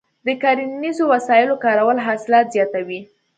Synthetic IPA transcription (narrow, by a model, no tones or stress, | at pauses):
d̪əkɑɾinizowasɑjɪlokɑɾawəlɦɑsɪlɑt̪zjɑt̪awi